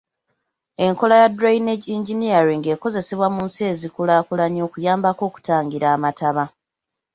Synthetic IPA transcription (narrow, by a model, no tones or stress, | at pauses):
e̞ŋko̞lajadɾajineɟiɲɟiniaɾiŋɡe̞ːko̞ze̞se̞βwamuːnsie̞zikulaːkulaɲo̞ːkujaːmbako̞ːku̥taːŋɡiɾaːmataβa